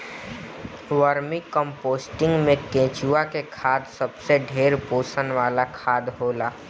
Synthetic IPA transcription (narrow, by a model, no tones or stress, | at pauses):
ʋəɾmikə̃mpoːsʈɪ̃ŋɡmẽkẽːt͡ʃuːakekʰaːd̪səbseɖʱeːɾpoːsənʋaːlakʰaːd̪ɦoːlaː